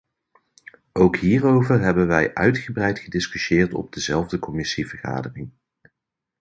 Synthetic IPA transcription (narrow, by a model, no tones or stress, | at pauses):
ʔowkɦiːrowvəɹɦɛbənʋɛjʔœɥtχəbrɛjtχədɪskyʃɪːɹtɔ̰b̚dəzɛlˠvdəkɔmɪsivəɹχa̰ːdərɪŋ